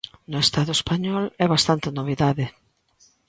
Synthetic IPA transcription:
nʊest̪aðʊespaɲɔlɛβast̪ant̪ɪnoβ̞iðaðɪ

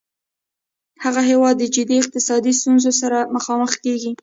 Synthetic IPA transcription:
haɣaɦewɑd̪ːəd͡ʒɪd̪iɪq̚t̪ɪsɑd̪ist̪unzosaɾaməxɑməxkeɡi

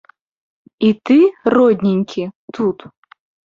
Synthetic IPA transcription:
it̪ɨrɔd̪ʲnʲinʲkʲʰit̪ut̪

